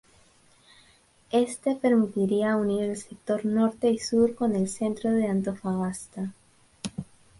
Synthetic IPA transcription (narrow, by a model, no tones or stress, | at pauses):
e̞st̪e̞pe̞ɾmit̪iɾiauniɾelse̞k̚t̪o̞ɾno̞ɾt̪e̞isuɾko̞ne̞lse̞nt̪ɾo̞ðe̞ant̪o̞faɣast̪a